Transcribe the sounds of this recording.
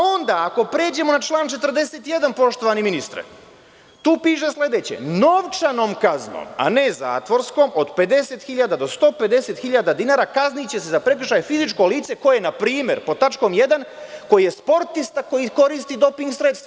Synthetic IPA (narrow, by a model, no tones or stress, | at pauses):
ao̞nd̪aako̞pɾeːd͡ʑe̞mo̞nat͡ʃlˠaːnt͡ʃe̞t̪ərɾd̪e̞seːt̪ije̞d̪anpo̞ʃt̪o̞ʋaniminist̪ɾḛ | t̪uːpiːʃ̬e̞sle̞d̪et͡ɕḛno̞ʋt͡ʃano̞ːmkazno̰ːma̰neza̰ːt̪ʋo̞ɾsko̞ːmo̞d̪pe̞d̪e̞se̞t̪xiʎad̪ad̪o̞st̪o̞ːpe̞d̪e̞se̞t̪xiʎad̪ad̪inaːɾakaznit͡ɕe̞se̞zapɾe̞kr̩ʃajfizit͡ʃko̞liːt̪sekojenapɾiːme̞̰ɾpot̪at͡ʃko̞mje̞d̪anko̞jijespo̞ɾt̪ist̪ako̞jiko̞ɾist̪id̪o̞piŋɡsɾe̞t̪st̪ʋa